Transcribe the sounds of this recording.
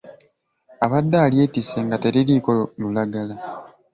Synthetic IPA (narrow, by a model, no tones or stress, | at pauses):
aβadːaːlje̞ːtise̞ŋɡate̞ɾiliko̞olulaɡala